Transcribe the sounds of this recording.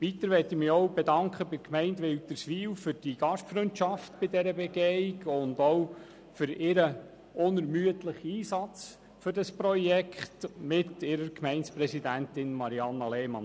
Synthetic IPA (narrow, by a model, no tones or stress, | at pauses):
ʋitəɾʋɛtimiɔwbɛdɑŋkʰχəbɪɾkʰmɛɪndʋɪlt̪əsʋiːwfʏɾd̥iɡ̥ɑʃtfɾøntʃɑftbɪdɛɾəbɛɡeɪɡʊndɔw | fʏɾɪɾə | ʊnəɾmyətləχiːsɑt͡s | fʏɾdɑspɾɔjɛkχtmɪtɪɾəɾkmɛɪnspɾɛsidæntɪnmɑɾiɑnːɑlɛmɑ̰n